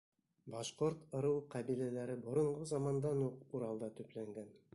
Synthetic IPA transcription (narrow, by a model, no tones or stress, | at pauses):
bɑʃqoɾt̪ŏɾɤwqɑbilælæɾɘbŏɾŏɴʁozɑmɑnd̪ɑnuquɾɑlˠd̪ɑt̪ɵ̆plæŋɡæn